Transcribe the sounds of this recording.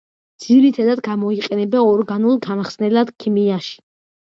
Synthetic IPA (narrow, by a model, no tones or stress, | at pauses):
d̪z̥iɾit̪ʰad̪ad̪ɡamɔiqʼɛnɛbɛɔɾɡanulˠɡamχsnɛlad̪̥kʰimiaʃi̥